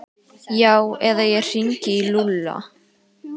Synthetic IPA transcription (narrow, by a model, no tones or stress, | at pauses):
jaːwɛðajɛr̥iɲcɪilulːa̰